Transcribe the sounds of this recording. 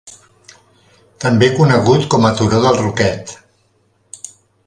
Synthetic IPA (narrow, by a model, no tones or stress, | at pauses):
t̪əmbekunəɣut̪kɔmət̪uɾoðəlˠrukɛt̪